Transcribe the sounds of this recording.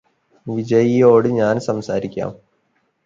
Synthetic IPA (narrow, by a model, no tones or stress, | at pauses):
ʋid͡ʑɐjijo̞ːɽɨɲaːnsɐmsaːɾikʲːa̰ːm